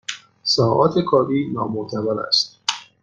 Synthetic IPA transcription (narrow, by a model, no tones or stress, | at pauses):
sɒːʔɒːt̪ʰekʰɒːɾiːnɒ̰ːmot̪ʰæbælæ̰st̪̚